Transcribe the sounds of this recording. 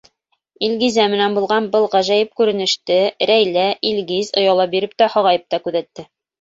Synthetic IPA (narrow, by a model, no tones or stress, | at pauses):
ilɡizæmɘ̆nænbulˠʁɑnbɤlˠʁæʒæjɘp̚kʉɾɘ̆nɘ̆ʃt̪ɘɾæjlæʔilɡizŏjɑlˠɑbiɾɘp̚t̪æhɒʁɑjɤp̚t̪ɑkʉðæt̪ːɘ